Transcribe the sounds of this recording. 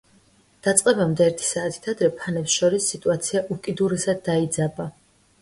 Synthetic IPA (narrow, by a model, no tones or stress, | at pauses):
d̪̥at̪sʼqʼɛbamd̪ɛɛɾt̪ʰi̥saːt̪ʰi̥t̪ʰad̪ɾɛpʰanɛpsʃɔɾisːit̪ʼuat̪sʰiaʔukʼid̪uɾɛsad̪ːaid̪zaba